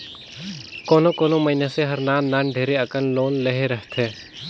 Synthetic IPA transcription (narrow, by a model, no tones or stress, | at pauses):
koːnokoːnoməɦɪneseɦəɾnaːnnːaːnɖʱeːɾeɐkənloːnleɦeɾəɦt̪ʰɛ̃ː